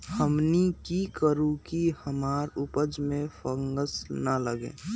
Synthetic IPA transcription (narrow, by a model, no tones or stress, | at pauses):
həmnikikəɾũkihəmaːɾʊpəd͡ʒmẽfʰəŋɡəsnələɡḛ̃ː